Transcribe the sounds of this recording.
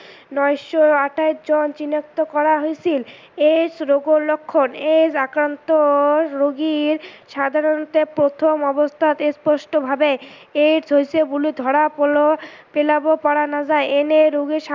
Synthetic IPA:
nɔjʃoaʈʰad͡ʑont͡ɕinok̚t̪okɔɾaɦojt͡ɕʰil | esɾoɡoɾlokʰːoned͡ʑakɾant̪oɾoɡiɾʃad̪ʱaɾont̪eɾpɾot̪ʰomɔbost̪ʰat̪espɔʃʈobʱabe | eɾd͡ʑʱojsʰeɡulid̪ʱɔɽapolopelabopaɽanad͡ʑaeeneɾoɡiʃa

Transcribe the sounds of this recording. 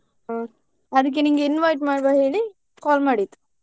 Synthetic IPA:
a | ɐd̪uk̬ːeniːŋɡeinʋɐjʈmaːɽbaɦeːɭi | kaːlmaːɽit̪ːu̥

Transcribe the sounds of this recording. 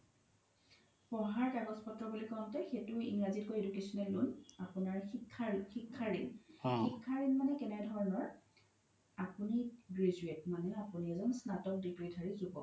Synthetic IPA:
pɔɦaɹkaɡɔspɔtɹɔbulikɔntɛxetʊḭŋɹazitkoedukesɔnɛlːunapʊnaɹikʰːaxikʰːaɹinxikʰːaɹinmanɛkɛnɛdʱɔɹɔnɔɹ | apuniɡɹezuetmanɛapuniɛzɔnsnatɔk̚dikɹidʱaɹizubɔ̰

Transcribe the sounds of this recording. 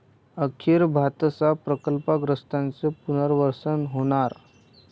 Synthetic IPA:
əkʰiɾbʱat̪sapɾəkəlpaɡɾəst̪ãnt͡sepun̤əɾʋəɾsənɦoɽ̃aɾ

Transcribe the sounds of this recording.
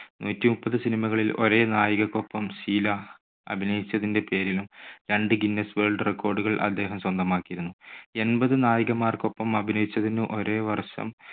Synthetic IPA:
nʔuːtːimupːɐðɨsinimɐɣɐɭilo̞̰ɾe̞ːnaːjɐɣɐkːo̞pːɐmsiːlɐ | ɐ̰bʱinɐjit͡ɕːɐðinde̞pe̞ːɾilumɾeɳɖɨɡinːesʋeːɭɖɨrekːo̞ːrɖuɣɐɭʔɐ̰d̪ːe̞ːɦɐmswɐnd̪ɐmaːkːijiɾunːue̞nbɐðɨnaːjɐɣɐmaːrko̞pːɐmɐbʱinɐjit͡ɕːɐðinɨʔo̞ɾe̞ːʋɐrʂɐ̰m

